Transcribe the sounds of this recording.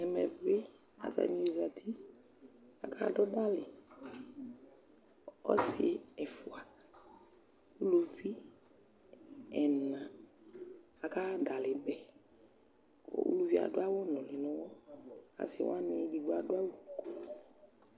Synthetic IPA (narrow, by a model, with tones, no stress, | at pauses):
ɛ˨mɛ˨ve˦ | a̰˨ta̰˨nĩ˦e˨za˨t̪ʰi˦ | a̰˨kʰa˦dɔ˦da˦lɪ˨ | ɔ̰˦si˨˦ɛ˨fu˨a˨˦ | lu˨vi˦ | ɛ˨nã˨ | a˨ka˦ɖa˨lɪ˨bɛ˨ | ɔ̰˨ṵ˦lu˦vi˦a̰˨dʊ˦a˦wo˦nɔ̃˨lɪ˨nɔ̃˨wɔ˦a̰˨sɪ̰˨w̰a˦nɪ˨˦di˨ɡ͡ba˨dʊ˦a˦wo˨kɔ˦